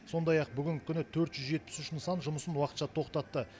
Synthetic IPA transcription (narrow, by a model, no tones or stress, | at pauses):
so̞nd̪ɑjɑq̚bʏɡʲɪŋʲkʲʰʏnɪt̪ʰɵɾt̪ʒʏzʒe̞t̪̚pɪ̥sʏʃɪnsɑnʒʊməsənwɑqət̪ʃɑt̪ʰo̞qt̪ɑt̪ːə